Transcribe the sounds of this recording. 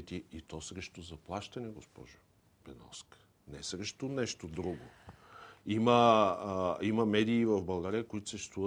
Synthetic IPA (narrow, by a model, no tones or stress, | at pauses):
t̪iit̪ɔsɾɛʃt̪ʊzɐplˠaʃt̪ɐnɛɡospɔ̰ʒʊ | pɛnɔ̰sk | nɛsɾɛʃt̪ʊnɛʃt̪od̪ɾuɡo | imə | imɐmɛd̪iːvɐvbɐlˠɡaɾiəkoit̪ʊ̥səʃt͡ʃɛ̥st̪vuvə